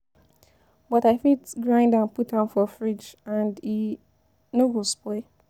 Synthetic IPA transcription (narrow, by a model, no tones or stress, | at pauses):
bɔtaɪfitɡɹãɪ̃ndãnputãnfɔfɹid͡ʒãndi | noɡospeɪ